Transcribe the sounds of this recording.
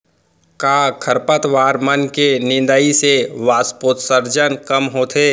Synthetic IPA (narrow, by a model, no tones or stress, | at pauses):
kaːkʰəɾpət̪ʋaːɾmənkenɪ̃nd̪əiseʋaːspoːt̪səɾd͡ʒənkɐmɦoːt̪ʰeː